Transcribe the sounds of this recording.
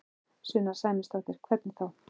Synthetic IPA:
sʏːnaɾ̥saːjmɪst̪aht̪ɪɾ̥kʰvɛt̪nθaw

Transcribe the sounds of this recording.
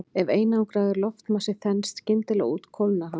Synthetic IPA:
ɛveːjnaawŋkɾaːðɪɾlɔft̪masɪθɛnst̪cɪnt̪ɪlɛ̰ɣṵːt̪kʰowlnaɦa

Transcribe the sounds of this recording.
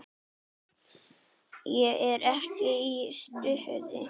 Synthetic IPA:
jɛʔɛɾɛhcɪist̪ʏhœ̰ðɪ̰

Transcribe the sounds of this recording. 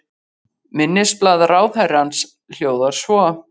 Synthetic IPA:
mɪnːɪsplaːðaɾaːwθɛɾans | l̥joːwðaɾ̥svɔ

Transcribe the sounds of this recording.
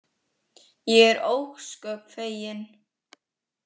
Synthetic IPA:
jɛɣɛɾʔowxskœːkfeːjɪn

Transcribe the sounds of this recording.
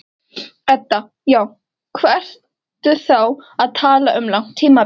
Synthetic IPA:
ɛt̪ːa | jaːw | kʰvɛr̥t | t̪ʏθawaðt̪ʰaːlaʔʏmlawn̥t̪ʰːiːma

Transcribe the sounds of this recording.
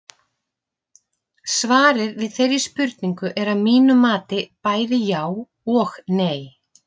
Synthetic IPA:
svaːɾɪɾvɪðθejɾispʏɾt̪niŋkʏʔɛɾaðmiːnʏmaːt̪ɪpaːjðɪjaːw | ɔxneːj

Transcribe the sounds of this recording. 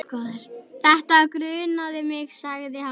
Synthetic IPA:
kɔːðɪɾ̥θɛht̪akɾʏːnaðɪmɪɣsaɣðɪha

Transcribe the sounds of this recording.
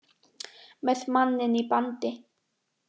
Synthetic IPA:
mɛðmanːɪnipant̪ɪ

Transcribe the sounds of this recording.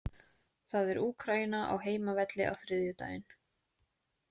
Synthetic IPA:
θaðɛɾuːkʰɾajɪnaʔa̰wɦeːjmavɛt̪lɪ̰ʔa̰wθɾɪðjʏt̪a̰ːjɪn

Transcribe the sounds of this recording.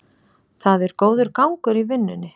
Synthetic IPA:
θaðɛɾ̥koːwðʏɾkawŋkʏɾivɪnːʏnːɪ

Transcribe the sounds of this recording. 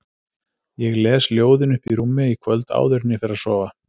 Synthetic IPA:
jɛɣlɛːsljoːwðɪnʏhpiɾumːɪikʰvœlt̪a̰ːwðʏɾt̪nɪfɪɾɪaðsɔːva

